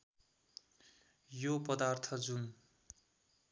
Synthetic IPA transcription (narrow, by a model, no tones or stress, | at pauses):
jopʌd̪art̪ʰʌd͡zun